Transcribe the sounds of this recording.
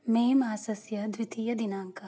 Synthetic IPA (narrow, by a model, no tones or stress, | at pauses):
meːmaːsɐsjɐd̪ʋit̪iːjɐd̪inaːŋkɐ